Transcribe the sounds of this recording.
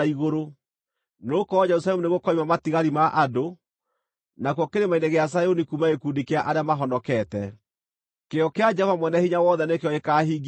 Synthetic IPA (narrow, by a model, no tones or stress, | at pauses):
iɣoɾo | noːkɔːd͡ʒɛɾusaɛmuneɣokɔimamatiɣaɾimaʔado | nak̬wɔkeɾemaineɣeas̬ajonikumaekundikeaʔaɾeamaɦɔnɔkɛtɛ | keɔkead͡ʒavamwɛnɛhiɲawɔðɛnekeɔekaːhiːɡ